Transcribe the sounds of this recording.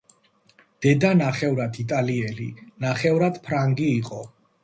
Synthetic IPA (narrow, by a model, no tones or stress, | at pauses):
d̪̥ɛd̪anaχɛvɾat̪ʰit̪ʼaliɛlinaχɛvɾad̪pʰɾaŋɡiːqʼɔ